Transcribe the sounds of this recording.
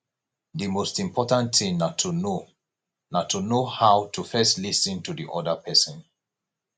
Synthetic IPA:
dimostĩmpʰɔtãntĩmnatʰuno | natʰunohaʊtʰufɛstlisə̃ntudiʔɔdəpʰɛsɔ̃n

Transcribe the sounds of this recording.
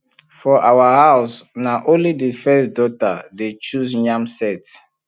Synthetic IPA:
fɔʔawahaʊsnaʔõnlidifɛsdɔtadet͡ʃuzɲãmsɛt

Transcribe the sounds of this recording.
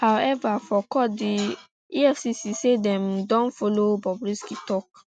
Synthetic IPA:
hawɛvafɔkɔdi | iɛfsisisedɛ̃mdɔ̃nfɔlobɔbɾiskitɔk̚

